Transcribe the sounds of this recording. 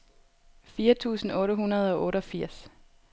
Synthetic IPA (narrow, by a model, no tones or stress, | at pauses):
fiːɐt͡sʰṵːsn̩ɔ̽ːɾəɦunɐð̞ˠɒ̽ʔɔ̽ːɾəɒ̽fiɐ̰s